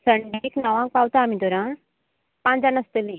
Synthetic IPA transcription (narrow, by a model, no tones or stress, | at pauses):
səɳɖiknəʋãŋk̚pawt̪aːmid̪oɾã | pãnd͡zanəst̪əlĩ